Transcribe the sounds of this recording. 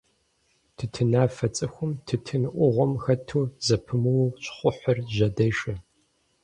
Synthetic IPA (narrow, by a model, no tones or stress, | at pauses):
tʰɨtʰɨnaːfɐt͡sʼɨxʷʊmtʰɨtʰɨnɨʔʷʊʁʷɔmxɐtʰuːzɐpʰɨmɨwɕχʷʊħʷʊrʑɐdɐjʃɐ